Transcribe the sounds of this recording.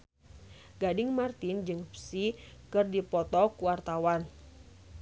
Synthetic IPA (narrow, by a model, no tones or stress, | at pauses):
ɡ̥adɪŋmart̪ind͡ʒɨŋfsikɨrdipɔt̪ɔkuwart̪awan